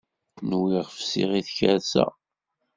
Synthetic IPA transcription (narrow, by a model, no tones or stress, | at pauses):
nwiʁfsḭʁiθçəɾsæ̰